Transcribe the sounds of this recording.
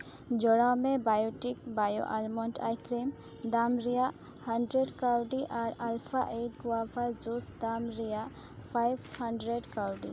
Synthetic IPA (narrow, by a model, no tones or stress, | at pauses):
d͡ʒɔɽawmɛbajɔʈik̚bajo̰ʔalmɔɳʈʰa̰jkɾim | d̪amɾijaʔ | haɳɖɾeɖkaɾɖiʔaɾalpʰaʔeʈ̚ɡuwapʰad͡ʒusd̪amɾijaʔ | pʰajbhaɳɖɾeɖkaɾɖḭ